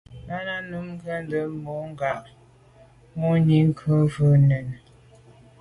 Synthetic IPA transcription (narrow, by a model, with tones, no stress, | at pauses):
na˦na˦nu˨˦m˦ɡə˦n˦də˨mo˨˦ŋ˦ɡa˨ʔ | mo˦ɲi˦ŋ˦kʰə˦və˦nə˨n